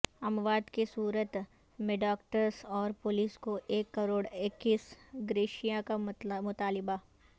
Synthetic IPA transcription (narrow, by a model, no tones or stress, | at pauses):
ɐmʋaːd̪kisuːɾət̪ | mɪɖaːkʈəɾsɔːɾpoːliːskoʔeːkːɐɾoːɽɪkːiːsɡɾeːʃijãkamʊt̪aːlɪba